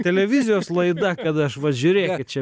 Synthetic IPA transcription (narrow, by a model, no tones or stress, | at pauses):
t̪ʲɛlʲɛʋʲɪzʲɪjoːslˠɐɪd̪ɐkɐt̪ɐʃʋɐʒʲʊːɾʲeːkɪt͡ʃʲɛ